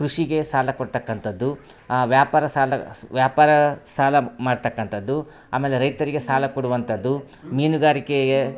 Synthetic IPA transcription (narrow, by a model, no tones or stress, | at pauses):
kɾuʂiɡe̞saːlɐkoɽt̪ɐkːɐnt̪ɐd̪ːu | ʋjaːpaːɾɐsaːlɐʋjaːpaːɾɐsaːlɐmaːɖt̪ɐkːɐnt̪ɐd̪ːu | a̰ːme̞ːle̞ɾɐjt̪ɐɾiɡe̞saːlɐkoɽuʋɐnt̪ʰɐd̪ːu | miːnuɡaːɾikeɡe